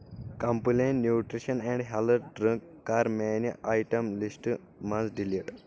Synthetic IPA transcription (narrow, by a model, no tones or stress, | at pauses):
kɐ̃mpulẽnnːjuːʈɾiʃɐnɛ̃ɳɖɦɛləɾɖɾə̃ŋkːaːɾmeːnʔajʈɐ̃mlisʈ | mɐ̃nsɖiliʈ